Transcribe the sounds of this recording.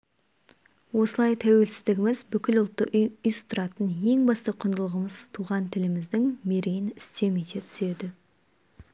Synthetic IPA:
wo̞səlˠɑjt̪ʰæwe̞lsɪzd̪ɪɡʲɪmɪzbʏkʲɪlʊlˠt̪ːəʔʏjsʊ̥t̪ʊɾɑt̪ənje̞ŋbɑst̪əqʰʊnd̪əlˠəʁəməzt̪ʰuʁɑnt̪ʰɪlɪmɪzd̪ɪŋme̞ɾejɪnɪst̪e̞met̪et̪ʰʏ̥se̞d̪ɪ

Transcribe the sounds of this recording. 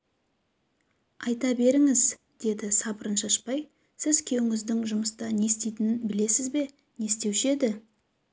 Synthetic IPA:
ɑjt̪ɑbe̞ɾɪŋɪz | d̪̥e̞d̪ɪsɑpəɾənʃɑʃpɑj | sɪzkʲʰe̞wɪŋɪzd̪ɪŋʒʊməst̪ɑne̞st̪ejt̪ɪnɪnbɪle̞sɪzbe̞ | ne̞st̪e̞wʃe̞d̪ɪ

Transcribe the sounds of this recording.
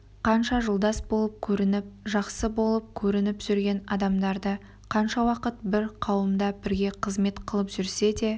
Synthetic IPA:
qʰɑnʃɑʒəlˠd̪ɑsbo̞lˠəp̚kʲʰɵɾɪnɪp̚ʒɑqsəbo̞lˠəp̚kʲʰɵɾɪnɪpʒ̥ʏɾɡʲe̞nɑd̪ɑmd̪ɑɾd̪ə | qʰɑnʃɑwɑqət̪̚bɪɾqʰɑwəmd̪ɑbɪɾɡʲe̞qʰəzme̞t̪qʰəlˠəpʒʏɾse̞d̪e̞

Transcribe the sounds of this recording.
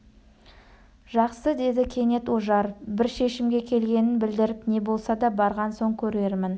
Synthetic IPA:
ʒɑqsəd̪e̞d̪ɪkʲʰe̞ne̞t̪woʒɑɾbɪɾʃe̞ʃɪmɡʲe̞kʲʰe̞lɡʲe̞nɪnbɪld̪ɪɾɪpne̞bo̞lˠsɑd̪ɑbɑɾʁɑnso̞ŋkʲʰɵɾe̞ɾmɪn

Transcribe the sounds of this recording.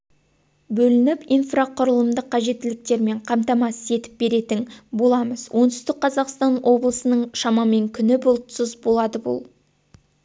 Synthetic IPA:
bɵlɪnɪpijnfraqʰʊɾəlˠəmd̪əqʰːɑʒe̞t̪ːɪlɪk̚t̪e̞ɾme̞ɴqʰɑmt̪ɑmɑsəe̞t̪ɪ̥p̚be̞ɾe̞t̪ɪŋbo̞lˠɑməzwʔo̞nt̪ʏst̪ɪk̚qʰːɑzɑqst̪ɑnwʔo̞blˠəsənəɴʃɑmɑme̞ŋkʲʰʏnɪbʊlˠt̪səzbo̞lˠɑd̪əbṵlˠ

